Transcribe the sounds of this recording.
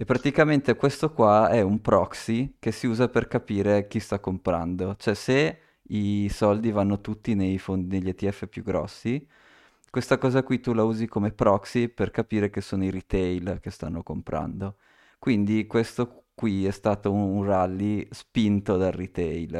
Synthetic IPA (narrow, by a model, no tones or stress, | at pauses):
epːɾat̪ikament̪ekwest̪okwaɛumpɾɔksikesiuːzaperkapiːɾek̟ist̪akːompɾa̰nd̪ot͡ʃoɛse | isɔld̪ivanːot̪ut̪ːinejfond̪ineʎːet̪iɛfːepjuɡɾɔ̰sːi | kwest̪akɔːzakwit̪ulauːzikomepɾɔksiperkapiːɾek̟esːoːnoiɾit̪ɛjlk̟est̪a̰nːokompɾa̰nd̪o | kwind̪ikwest̪okwiɛst̪aːt̪ounralːispint̪od̪alrit̪ɛjl